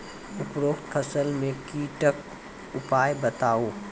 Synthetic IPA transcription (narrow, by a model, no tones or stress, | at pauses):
ʊpɾoːkt̪kʰɐsəlmẽkiːʈək̚ | ʊpaːjbɐt̪aːoː